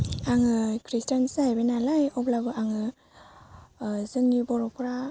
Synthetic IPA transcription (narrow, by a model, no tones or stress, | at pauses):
aŋɯkʰɾistansaabenalajɔplabɯaŋɯ | zɯŋubɔɾɔpʰɯɾa